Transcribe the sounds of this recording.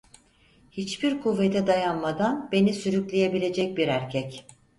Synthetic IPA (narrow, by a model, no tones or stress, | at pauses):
hit͡ʃbiɾkʰuvːet̪ʰɛd̪ajanmad̪anbe̞nisyɾyclʲeje̞bilʲe̞d͡ʒɛc̚biɾæɾcʰɛc